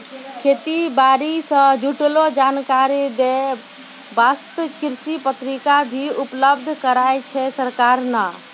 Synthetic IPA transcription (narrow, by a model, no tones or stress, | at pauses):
kʰeːt̪ibaːɾisə̃d͡ʒuʈlod͡ʒaːnkaɾid̪e | bast̪əkɪɾsipət̪ɾikabʱiʊpləbd̪ʱkəɾaet͡ʃʰɛsəɾkaːɾna